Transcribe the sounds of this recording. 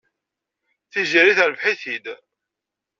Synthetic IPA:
θiʒiɾiθəɾvħiθid̪

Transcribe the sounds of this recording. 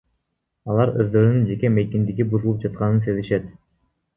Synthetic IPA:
ɑlˠɑɾøzd̪ø̞ɾynynd͡ʒe̞keme̞jkind̪iɡibuzulˠup̚d͡ʒɑt̪̚qɑnɯnse̞ziʃet̪

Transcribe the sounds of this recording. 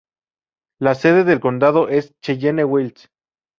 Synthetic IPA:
laseðeðelkond̪aðoʔest͡ʃeʝenewils

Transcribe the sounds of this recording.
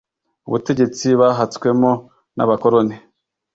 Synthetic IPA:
uβute̞ɟe̞t͡siβaɦat͡skwe̞mo | na̰βakoɾone

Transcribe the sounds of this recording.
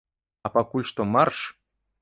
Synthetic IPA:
apakulʲʃt̪omarʂ

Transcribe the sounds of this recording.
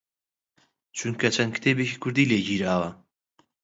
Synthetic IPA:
t͡ʃʰuŋkʰɐt͡ʃʰɐnkʰt̪ʰebekʰikʰʊɾd̪iːleɟiːɾaːwa

